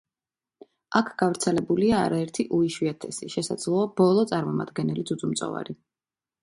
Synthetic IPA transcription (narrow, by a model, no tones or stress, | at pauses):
akʰɡ̥avɾt̪sʰɛlɛbulia̰ːɾaɛɾt̪ʰiʔuiʃwiat̪ʰɛsiʃɛsa̰d̪z̥lˠɔab̥ɔlˠɔt̪sʼaɾmɔmad̪ɡɛnɛlisʰʼud̪zʼumt̪sʼɔ̰va̰ɾi